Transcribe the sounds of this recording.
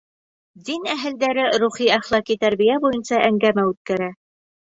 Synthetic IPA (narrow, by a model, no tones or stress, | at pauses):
d̪inæɦɘ̆ld̪æɾɘɾuχiæχlˠɑkit̪æɾbijæbujɤnsɑʔæŋɡæmæʉt̪̚kæɾæ